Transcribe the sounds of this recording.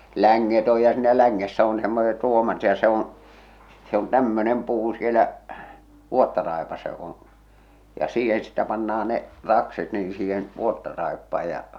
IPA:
læŋːet oj jɑ siːnæ læŋːesːæ on semːoset r̞uomɑt jɑ se õː se on tæmːønem puː sielæ ʋuotːɑrɑˑepɑsːɑ jok on̞ jɑ siːhen sitːæ pɑnːɑɑ ne rɑkset niː siːhen ʋuotːɑrɑepːɑː jɑ

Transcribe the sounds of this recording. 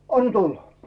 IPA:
ɑn tulːɑ

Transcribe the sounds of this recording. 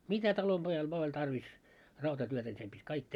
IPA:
mitæ tɑlomb̥ojɑl ʋŏɑ olʲ tɑrʋis rɑutɑtyøtæ nʲi sem b̥itʲ kɑik

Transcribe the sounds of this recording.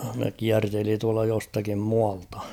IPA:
ne kiærteli tuɑltɑ jostɑkim muɑltɑ̥

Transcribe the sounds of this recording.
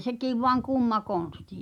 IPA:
sekiˑʋ ʋoɑŋ kuˑmːɑ koˑn̞sti

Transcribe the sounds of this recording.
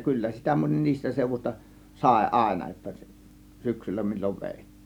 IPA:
kylːæ sitæ monʲ niːstæ seˑuʋusʲtɑ sɑˑe̝ ʔɑˑe̝nɑ jotːɑ syksylːæ milʲːoʋ ʋeˑitːi̥ːn̥

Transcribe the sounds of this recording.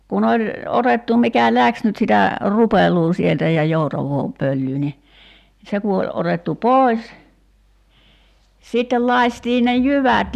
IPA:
kun olʲ otetːu mikæ læks nyt sitæ rupelˑuː sieltæ jɑ joutɑʋˑoː pølːyː ni se ku olʲ otetːu poˑi̞s sitːel lɑi̞stiː ne jyʋæt

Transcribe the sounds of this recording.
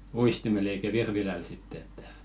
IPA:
uistimel eikæ ʋirʋilæl sitːĕ etːæ̥

